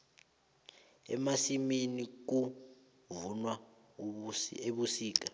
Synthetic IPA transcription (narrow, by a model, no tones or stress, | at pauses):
ɛ̰masiminik̬u | vunwa | eɓusiːk̬a